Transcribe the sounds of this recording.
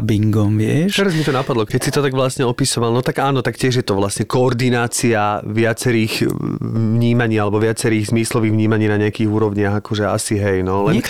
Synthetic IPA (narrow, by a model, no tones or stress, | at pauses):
biŋɡɔmʋɪɛʃt̪ɛɾazmit̪ɔnapad̪lɔkɛcsit̪ɔt̪aɡʋlasɲɛɔpisɔʋalˠnɔt̪aɡaːnɔt̪akcɪɛʒjɛt̪ɔʋlasɲɛkɔːɾd̪inaːt͡siaʋɪat͡sɛɾiːɣ | ʋɲiːmaɲiːalɛbɔʋɪat͡sɛɾiːɣzmislɔʋiːɣʋɲiːmaɲiːnaɲɛakiːɣuːɾɔʋɲɪaɣakɔʒɛa̰siɦɛjnɔlɛn